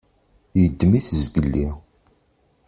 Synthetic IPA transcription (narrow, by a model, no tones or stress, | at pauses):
jəd̪ːmiθəzɡəlːi